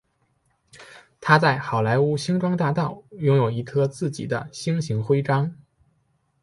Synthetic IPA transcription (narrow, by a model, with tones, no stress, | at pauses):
t̪ʰa˥t͡sa˥˩ɪxɑ˨˩ʊla˧˥ɪu˥ɕi˥ŋʈ͡ʂwɑ˥ŋt̪a˥˧t̪ɑ˥˩ʊjʊ˥ŋjo˨˩ʊi˧˥k̪ʰɤ˥t͡sɹ̩˥˩t͡ɕḭ˨˩d̪ə̰˦ɕi˥ŋɕi˧˥ŋxwe˥ɪʈ͡ʂɑ˥ŋ